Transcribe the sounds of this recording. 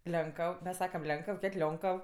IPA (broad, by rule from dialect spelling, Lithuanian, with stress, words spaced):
ˈlʲɛŋkəw mʲɛs ˈsɑːkɐm ˈlʲɛŋkəw ˈkʲeːtʲ ˈlʲoːŋkəw